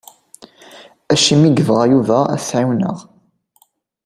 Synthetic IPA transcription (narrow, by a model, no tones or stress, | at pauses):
æʃimiɡvʁjuvææ̰θʕiwnə̰ʁ